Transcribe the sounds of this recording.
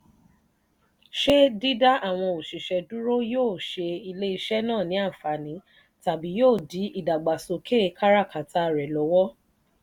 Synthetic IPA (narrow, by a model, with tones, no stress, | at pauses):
ʃe˦di˦da˦a˦˨w̃ɔ̃˧o˨ʃi˨ʃɛ˨du˦ɾo˦joː˦˨ʃe˧i˧le˦i˧ʃɛ˦nãː˦˨nĩ˨˦a˦˨fa˨nĩ˨˦ | ta˨bi˨˦joː˦˨di˨˦i˦˨da˨ɡ͡ba˨so˧kʰe˦˧˦kʰa˦ɾa˦˨ka˨ta˦ɾɛ˨lɔ˨˦wɔ˦